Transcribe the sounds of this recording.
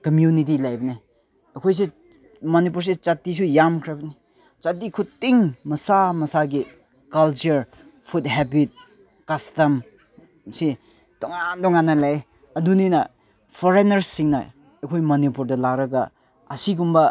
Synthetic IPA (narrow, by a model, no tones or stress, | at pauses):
kɐmjunit̬ilajbɐni | ekʰojs̬i | mɐnipuɾs̬it͡ʃatːis̬ujamkʰɾebɐni | t͡ʃatːikʰutiŋmɐsamɐsaɡi | kɐlt͡ʃɐɾ | pʰud̚ɦebit̚ | kɐstɐm | si | d̥ɔŋandɔŋanːɐlae | ɐduninɐ | pʰoɾenɐɾsiŋnɐ̰ | ekʰojmɐnipuɾdɐlakɾɐɡɐ̰ | ɐsiɡumbɐ